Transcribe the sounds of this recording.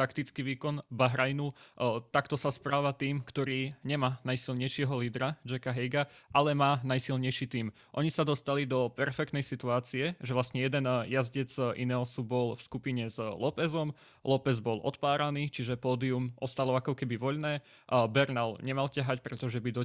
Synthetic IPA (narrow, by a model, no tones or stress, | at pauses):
t̪akt̪it͡skiʋiːkɔnbaɦɾajnut̪akt̪ɔsaspɾaːʋat̪iːmkt̪ɔɾiːɲɛmaːnajsilɲɛjʃɪɛɦɔliːd̪ɾad͡ʒɛkaɦɛjɡaʔalɛmaːnajsilɲɛjʃit̪iːm | ʔɔɲisad̪ɔst̪alid̪ɔpɛɾfɛk̚t̪nɛjsit̪uaːt͡siɛʒɛʋlast̪ɲɛjɛd̪ɛnjazɟɛd͡zḭnɛɔsubɔlfskupiɲɛzlɔpɛzɔm | lɔpɛzbɔlɔ̰t̪paːɾaniːt͡ʃiʒɛpɔːd̪iumʔɔst̪alɔakɔkɛbiʋɔʎnɛː | bɛɾnalɲɛmalcaɦacpɾɛt̪ɔʒɛbid̪ɔ